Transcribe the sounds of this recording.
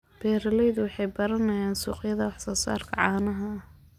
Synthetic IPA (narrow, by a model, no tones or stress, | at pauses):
b̥ɛːɾɐlɛjðʊwɑħɑjbɐɾɐnɐjaːnsṵːqjɐðɐwɑħsɔːsa̰ːrkʰɐʕɑːnɐɦɐ